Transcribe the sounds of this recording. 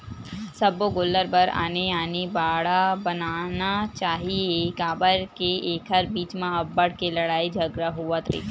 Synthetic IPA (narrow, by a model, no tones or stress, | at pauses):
sɐboɡʊlːəɾbɐɾa̰ːneaːnibaːɽabɐnaːnat͡ʃaːɦiekaːbəɾkeeːkɦəɾbiːt͡ʃmãɐbːəɽkelɐɽaːid͡ʒʱɐɡɾəɦuat̪ɾḭːt̪